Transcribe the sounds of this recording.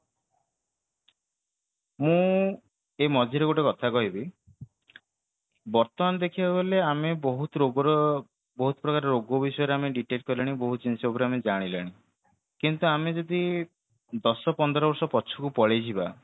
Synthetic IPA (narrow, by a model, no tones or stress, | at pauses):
mũ | emɔd͡ʒʱiɾeɡoʈekɔt̪ʰakɔɦibi | bɔɾt̪ɔmanɔd̪ekʰibabeleamebɔɦut̪ɔɾoɡɔɾɔ | bɔɦut̪ɔ̥pɾɔkaɾeɾoɡɔbisɔjɔɾeameɖiʈeʈ̚kɔɾilaɽ̃iboɦut͡ʃinsɔobɔɾeamed͡ʒaɽ̃ilaɽ̃i | kint̪uamed͡ʒɔd̪i | d̪ɔsɔpɔnd̪ɔɾɔbɔɾsɔpɔt͡ʃʰukupɔɭed͡ʒʰiba